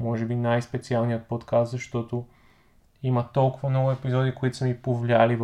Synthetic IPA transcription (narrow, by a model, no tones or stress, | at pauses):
mɔʒɛbinajspɛt̪sialˠnijət̪̚pɔt̪kast̪zɐʃt̪ɔt̪o | imɐt̪ɔlˠkʊvɐmnɔɡʊɛpizɔd̪ikoit̪ʊ̥sɛmipovlʲialiv